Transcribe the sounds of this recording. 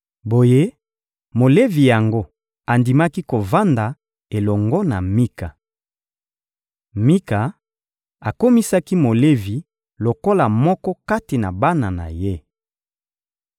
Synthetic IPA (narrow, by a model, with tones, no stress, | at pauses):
bo˨je˦ | mo˨le˦vi˨ja˨ŋɡo˦ | a˨ndi˨ma˦ki˦ko˨va˦nda˨ | e˨lɔ˨ŋɡɔ˦na̰˨mi˦ka˨ | mi˦ka˨ | a˨ko˦mi˦sa˦ki˦mo˨le˦vi˨ | lo˨ko˦la˨mɔ˦kɔ˦ka˦ti˨na̰˨ba˦na˨na̰˨je˦